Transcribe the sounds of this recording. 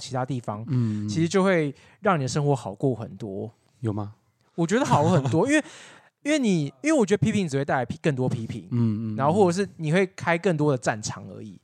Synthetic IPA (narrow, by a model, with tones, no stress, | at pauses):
t͡ɕʰi˧˥t̪ʰa˥t̪i˥˨˩fɑ˦ŋt͡ɕʰi˧˥ʂɻ̩˧t͡ɕjo˥˧ʊxwe˥˧ɪ | ɻɑ˥˩ŋni˨d̪ə˩ʂ̬ə˥ŋxwɔ˧˥xɑ˨˩ʊkwɔ˥˩xə̰˨˩nt̪wɔ˦˥ | jo˨˩ʊma˧ | wɔ˨˩t͡ɕɥɛ˧˥d̪ə˧xɑ˨ʊkɔ˥˩xə˨˩nt̪wɔ˦˥i˥nwe˥˩ɪ | i˦nwe˥˩ɪni˨˩i˥nwe˥˩wɔ˨t͡ɕɥɛ˧˥d̪əpʰi˥pʰi˧ŋt͡sɻ̩˨˩wɪt̪a˥˩la˧˦i˥kə˥˩nt̪wɔ˥pʰi˥pʰḭ˨˧˦ŋ˥˧na˧˦nxo˥˧wɔ˥˩ʈ͡ʂɤ˨˩ʂ̬̩˥˩ni˨xwe˥˩ɪkʰa˥ɪkə˥˩ŋt̪wɔ˦d̪ə˨ʈ͡ʂa˥˨˩nʈ͡ʂʰɑ̰˧˥ŋə̰˧˥ḭ˨˩˦